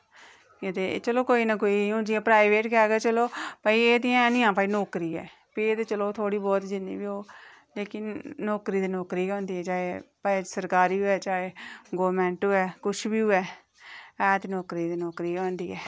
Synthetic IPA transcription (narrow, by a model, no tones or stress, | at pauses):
et̪et͡ʃəloːkoːiːnak̬oːiːõnd͡ʒ̪iãːpɾaːɪʋeːʈkɛːɡɛːt͡ʃəloːpaːiːeːd̪iãɛːnɪjãːpaːiːnɔːkɾiːɛ̰ː | pieːt̪eːt͡ʃəloːt̪ʰoːɽiːbɔːt̪d͡ʒɪnːḭːbiːoː | leːkɪnːɔːkɾiːd̪eːnɔːkɾiːɔ̃ːnd̪iːɛːt͡ʃaːeːpaːesəɾkaːɾiːɦʊɛːt͡ʃaːeːɡoːɾmɛ̃ːɳʈɦʊɛːkʊt͡ʃʰbiːʊɛː | ɛːt̪enɔːkɾiːd̪eːnɔːkɾiːɔ̃ːnd̪iːɛː